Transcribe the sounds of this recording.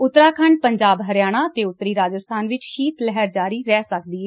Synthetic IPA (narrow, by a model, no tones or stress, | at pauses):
ʊt̪ːɾaːkʰəɳɖ̚pəɲd͡ʒaːbɦəɾjaːɽ̃aːət̪eːʊt̪ːɾiːɾaːd͡ʒəst̪ʰaːnʋɪt͡ʃkʰiːt̪lɛɦɛɾd͡ʒaːɾiːɾɛːsək̚d̪iːɛ